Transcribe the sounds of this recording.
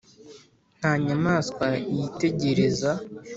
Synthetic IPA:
n̥haːɲamaːskwajite̞ɟe̞ɾe̞za

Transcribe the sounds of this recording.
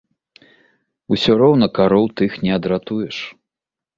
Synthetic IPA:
usʲɔɾɔwnɐkaɾɔwt̪ɨxnʲɛɐd̪ɾat̪ujɛʂ

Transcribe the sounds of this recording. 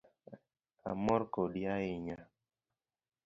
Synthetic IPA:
a̰mɔɾkoɗiaɪɲa

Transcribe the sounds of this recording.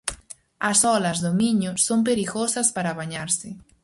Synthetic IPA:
ɐsɔlɐzðomiɲʊsompeɾiɣosɐspaɾaβaɲaɾsɪ

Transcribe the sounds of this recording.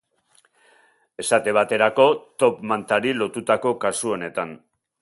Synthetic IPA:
e̞sat̪e̞β̞at̪e̞ɾako̞t̪o̞pmant̪aɾilo̞t̪ut̪ako̞kasuo̞ne̞t̪an

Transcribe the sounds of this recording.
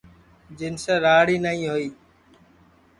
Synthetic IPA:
d͡ʒɪnseːɾaːɽiːnəɦĩːɦoːiː

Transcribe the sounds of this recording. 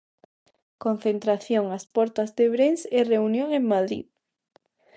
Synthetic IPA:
kon̟θent̪ɾaθjoŋaspɔɾt̪azðeβɾensereunjoŋeŋmaðɾḭð

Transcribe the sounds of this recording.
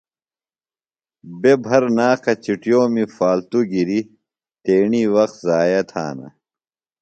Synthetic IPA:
bebʱɐɾnaːkɐt͡ɕiʈjoːmifaːlt̪uɡiɾi | t̪eːɳiːwɐxt̪zaːjɐt̪ʰa̰ːnɐ̰

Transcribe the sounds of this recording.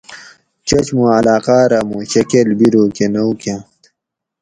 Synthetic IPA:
t͡ɕɐt͡ɕmũɐlaːqaːɾamuɕɐkelbiɾoːkenɐwke

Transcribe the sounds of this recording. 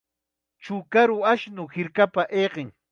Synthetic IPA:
t͡ʃʊkaɾʊaʃnʊhɪɾkapaʔejqɪŋ

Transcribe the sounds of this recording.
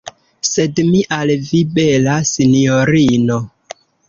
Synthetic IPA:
se̞dmiʔalvibelasinioɾino

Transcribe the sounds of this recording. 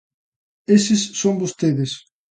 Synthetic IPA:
esɪsːõmbost̪eðes

